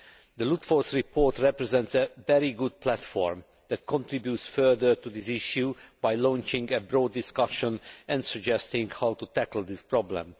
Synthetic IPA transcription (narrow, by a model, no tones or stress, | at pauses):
d̪əlut̪fɔɹsɹipʰoɹt̪ɹɛpɹɛzɛ̃nt̪sɛvɛɾiɡud̪̚pʰlæt̪fɔ̰ɹm | d̪̥ɛt̪̚kʰɔ̃nt̪ɹibjutsfɜd̪əɹt̪ud̪isɪʃjubajlɔ̃nt͡ʃɪ̃ŋɡɛbɾoːd̪ːɪskʌʃɔ̃nɛ̃nd̪səɡd͡ʒɛst̪ɪ̃ŋɡhawt̪ut̪ækld̪ispɹɔblɛ̰̃m